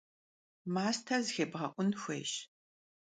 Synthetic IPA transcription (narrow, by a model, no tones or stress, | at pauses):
maːstʰɐzxebʁɐʔʷʊnxʷḛːʃ